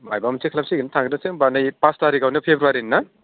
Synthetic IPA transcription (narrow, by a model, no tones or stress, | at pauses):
majbamsekʰlɐp̚siɡinatʰaŋɡdaseŋbanajpastaɾiɡawnɐpʰebɾuaɾinːa